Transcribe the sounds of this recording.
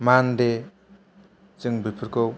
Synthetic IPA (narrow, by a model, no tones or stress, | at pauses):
mande | t͡sɯŋbʱipʰuɾko